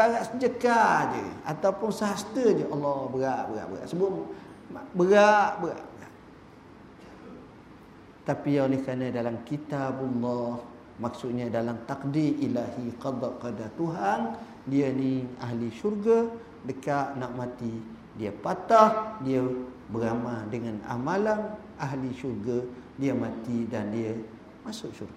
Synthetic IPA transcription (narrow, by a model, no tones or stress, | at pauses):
aɣaʔsəd͡ʒəkad͡ʒə̰at̪awpʊnsəɦast̪əd͡ʒəʔɑlːɔbəɣaʔbəɣa̰ʔbəɣa̰ʔsəbam | bəɣaʔbəɣa̰ʔbəɣa̰ʔ | t̪apiolɛhkanə̃dalamkit̪abɑlːɑh | maksʊʔ̪̚ɲadalamt̪akdiɾʔilahiqɑd̪ˤaʔkadat̪uɦan | diənia̰ɦliʃurɡa | dəkaʔnaʔmãt̪i | diəpat̪ahdiə | bəɾamadəŋana̰malan | aɦliʃurɡa | diəmãt̪idandiə | masʊʔʃurɡa